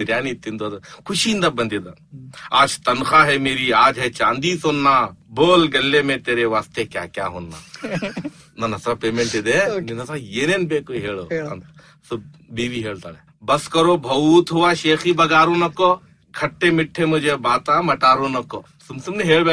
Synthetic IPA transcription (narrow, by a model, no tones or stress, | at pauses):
ɾjaːnit̪ʰːind̪oɐd̪kʰʊʃind̪abɐnd̪id̪a | aːt͡ʃt̪ɐnxaːɦemeːɾiaːd͡ʒɦet͡ʃaːnd̪iːsoːnːaːboːlɡɐlːemẽt̪eːɾeʋaːst̪ʰekja̰ːkjaːɦonːa̰ː | nɐnɐt̪ɾapeːmeɳʈɪd̪eninɐt̪aeːneːnbeːkoɦeːɭoːɐ̰nt̪ | sɐb | biːʋiɦeːɭt̪a̰ːɽe | bɐskɐɾobʱɐt̪ɦuʋaʃeːxibɐɡaːɾonɐkːo | kʰɐʈːemɪʈʰːemʊd͡ʒebaːt̪amɐʈaːɾonɐkːo̰ | sumsumneɦeːɭbeː